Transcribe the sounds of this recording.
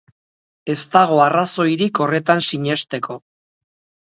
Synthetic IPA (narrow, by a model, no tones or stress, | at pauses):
e̞st̪aɣ̞o̞araso̞jɾiko̞re̞t̪ansiɲe̞st̪e̞ko̞